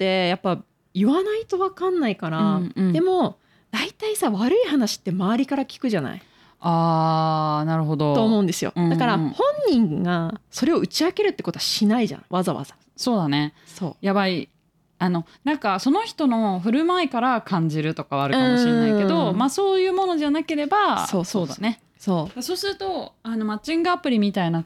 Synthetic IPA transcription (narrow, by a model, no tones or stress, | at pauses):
t̪ːe̞japːa | iβanait̪o̞βakãnːaikaɾaad̪e̞mo̞ | d̪̥ait̪aisaβaɾɯ̟ihanaɕi̥t̪ːe̞maβaɾʲikaɾakʲi̥kɯ̟ʑana̰i | aː | naɾɯ̟ɦo̞d̪o̞t̪o̞ːmo̞ɯ̟̃nd̪e̞sɨjo̞̰d̪akaɾahõ̞ɲ̟ːĩŋɡaso̞ɾe̞o̞ɯ̟t͡ɕiake̞ɾɯ̟t̪ːe̞ko̞t̪o̞ɕinaiʑa̰βazaβa̰z̥ḁ | so̞ːd̪ane̞soːjaβai | ano̞nãŋkaso̞no̞çi̥t̪o̞no̞ɸɯ̟ɾɯ̟maekaɾakʰãɲ̟d͡ʑiɾɯ̟t̪o̞kaβaɾɯ̟kkamoɕiɾeainke̞d̪o̞maso̞ːjɯ̟ːmo̞no̞ʑanake̞ɾe̞basoːsoːd̪ane̞ | soːɡaso̞ːsɨɾɯ̟t̪o̞ano̞mat͡ɕĩŋɡɯapɯ̟ɾʲimʲit̪aina